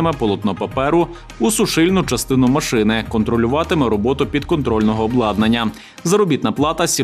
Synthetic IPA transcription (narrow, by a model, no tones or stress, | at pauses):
ɪmɛpɔlˠɔt̪nɔpɐpɛɾʊ | ʊsʊʃɪlʲnʊt͡ʃɐst̪ɪnʊmɐʃɪnɪkɔnt̪ɾɔlʲʊʋɑt̪ɪmɛɾɔbɔt̪ʊpʲid̪kɔnt̪ɾɔlʲnɔɦɔːblˠɑd̪nɐnʲːɐ | zɐɾɔbʲit̪nɐplˠɑt̪ɐsʲi